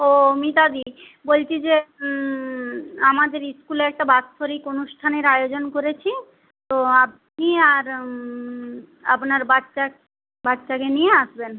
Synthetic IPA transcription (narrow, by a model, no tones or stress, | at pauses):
omit̪ad̪i | bolt͡ɕʰid͡ʑe | amad̪eɾiskulɛk̚ʈabatfʰoɾikonuʃʈʰaneɾajod͡ʑonkoɾet͡ɕʰi | t̪oap̚ | niaɾ | apnaɾbaʃa | batːʃakenijeaʃben